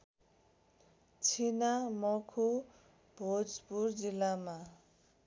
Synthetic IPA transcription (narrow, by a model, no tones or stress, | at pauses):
t͡sʰinamʌkʰo | bʱod͡zpurd͡zilːama